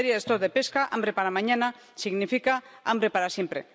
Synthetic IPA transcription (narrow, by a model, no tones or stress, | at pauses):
ɾjaðest̪oðepeskaʔa̰mbɾepaɾamaɲana | siɣnifika | a̰mbɾepaɾasjempɾe